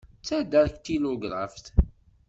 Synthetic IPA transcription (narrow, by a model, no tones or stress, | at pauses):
t͡sːæd̪əɾkt̪iloɡɾˤɑ̰fθ